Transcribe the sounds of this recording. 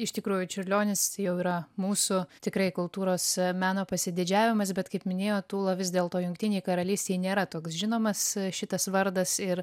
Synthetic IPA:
ɪʃʲt̪ʲɪkɾuːjʊt͡ʃʲʊrʲlʲoːnʲɪst̪ɐɪjɛʊiːɾɐmuːsʊt̪ʲɪkɾɐɪkʊlˠt̪uːɾoːsmʲæːnoːpɐsʲɪd̪ʲɪd͡ʒʲæːʋʲɪmɐs̬bʲɛt̪kɐɪpmʲɪnʲeːjoːt̪uːlˠɐʋʲɪzʲd̪ʲeːlˠt̪oːjʊŋkt̪ʲɪnʲɛjkɐɾɐlʲiːsʲt̪ʲeːjnʲeːɾɐt̪oːksʒʲɪnoːmɐsʃʲɪt̪ɐsʋɐɾd̪ɐsɪɾ

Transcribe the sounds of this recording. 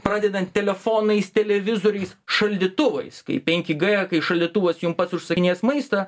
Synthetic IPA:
pɾɑːd̪ʲɛd̪ɐnt̪ʲtʲɛlʲɛfoːnɐɪst̪ʲɛlʲɛʋʲɪzoːɾʲɛɪsʃɐlʲd̪ʲɪt̪ʊʋɐ̰ɪskɐ̰ɪpʲɛŋʲkʲɪɡɛkɐɪʃɐlʲd̪ʲɪt̪ʊʋɐsjʊmpɐt̪sʊʃsɐkʲɪnʲeːsmɐɪst̪ɑ

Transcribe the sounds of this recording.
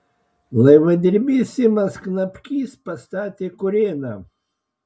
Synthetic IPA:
lˠɐɪʋɐd̪ʲɪɾʲbʲisʲɪmɐsknɐpʲkʲiːspɐst̪ɑːt̪ʲeːkʊɾʲeːnɐ

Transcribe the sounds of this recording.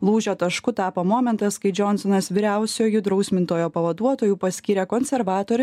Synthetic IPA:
lˠuːʒʲoːt̪ɐʃkʊt̪ɑːpoːmɔːmʲɛnt̪ɐskɐɪd͡ʒʲɔnsɔnɐsʋʲiɾʲæˑʊsʲoːjʊd̪ɾɐʊsʲmʲɪnt̪oːjoːpɐʋɐd̪uɔt̪oːjuːpɐsʲkʲiːɾʲɛkɔnʲsʲɛɾʋɑːt̪oːɾʲ

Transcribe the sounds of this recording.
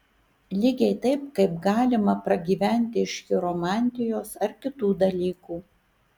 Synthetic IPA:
lʲiɡʲɛɪt̪ɐɪp̚kɐɪpɡɑːlʲɪmɐpɾɐɡʲiːʋʲæˑnʲt̪ʲɪɪʃʲkʲɪɾomɑːˑnʲt̪ʲɪjoːsɐɾkʲɪt̪uːd̪ɐlʲiːkuː

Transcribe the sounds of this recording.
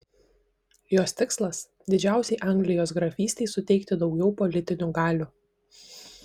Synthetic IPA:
joːst̪ʲɪkslˠɐs | d̪ʲɪd͡ʒʲæˑʊsʲɛɪʔɑˑŋʲɡlʲɪjoːs̬ɡɾɐfʲiːsʲt̪ʲɛɪsʊt̪ʲɛɪkt̪ʲɪd̪ɒʊɡʲɛʊpɔlʲɪt̪ʲɪnʲʊɡɑːlʲʊ

